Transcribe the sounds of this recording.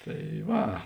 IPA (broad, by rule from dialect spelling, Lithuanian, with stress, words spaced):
ˈtɐɪ ˈʋɐ